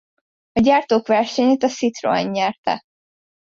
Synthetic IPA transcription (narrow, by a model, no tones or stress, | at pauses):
ɒɟaːrt̪oːkʋɛrʃɛɲeːt̪ɒsit̪ro̰ɲːɛrt̪ɛ̰